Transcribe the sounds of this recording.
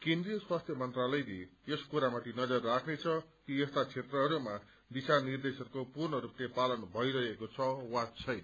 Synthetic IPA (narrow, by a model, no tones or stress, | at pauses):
kẽnd̪rijʌswast̪ʰjʌmʌnt̪ralʌjleeskuɾamat̪ʰinʌd͡zʌrːakʰnet͡sʰʌkiest̪at͡sʰet̪rʌɦʌɾuma | d̪isanird̪esʌrkopurnʌɾuplepalʌnbʱʌiɾʌɦekot͡sʰʌwat͡sʰʌjn